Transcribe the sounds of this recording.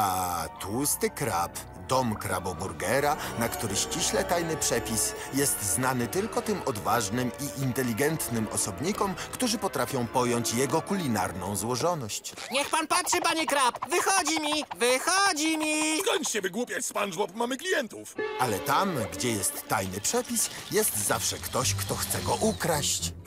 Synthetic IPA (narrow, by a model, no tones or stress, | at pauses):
at̪ʰust̪ɘkɾa̰p | d̪ɔmkɾa̰bɔbuɾɡɛɾanakt̪uɾɘɕt͡ɕiɕlɛt̪ajnɘpʂɛpʲisjɛst̪znanɘt̪ɘlkɔt̪ɘmɔd̪vaʐnɘmiʔint̪ɛlʲiɡɛnt̪nɘmɔsɔbɲikɔmkt̪uʐɘpɔt̪ɾafʲjɔ̃w̃pɔjɔɲt͡ɕjɛɡɔkulʲina̰ɾnɔ̰̃w̃zwɔʐɔnɔɕt͡ɕ | ɲɛxpanpatʂɘpaɲikɾapvɘxɔd͡ʑimʲivɘxɔd͡ʑimʲikɔɲʲt͡ʂɕɛvɘɡwupʲjat͡ɕspanʐwɔpmamɘklʲijɛnt̪ufʔalɛt̪amɡd͡ʑɛjɛst̪ːajnɘpʂɛpʲisjɛst̪zafʂɛkt̪ɔɕkt̪ɔxt̪sɛɡɔʔukɾaɕt͡ɕ